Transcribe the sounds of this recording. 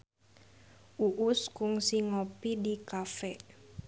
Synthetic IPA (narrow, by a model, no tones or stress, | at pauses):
ʔuʔʊskʊŋsiŋopidikafɛʔ